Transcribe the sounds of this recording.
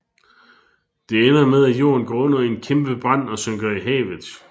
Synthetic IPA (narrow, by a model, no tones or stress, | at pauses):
d̥e̝enɐmeð̞ˠæjo̝̰ːɐnɡ̥ɔnɐienkʰemb̥əb̥ʁɑn̰ɒ̽søŋɡ̥ɐiɦɛ̰ːʋð̩ˠ